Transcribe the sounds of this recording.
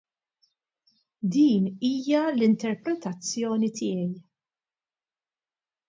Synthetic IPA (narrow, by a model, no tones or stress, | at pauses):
d̪iːniːjɐlɪnt̪ɛɾpɾɛt̪ɐt͡sːjɔːnit̪ɪːjɛj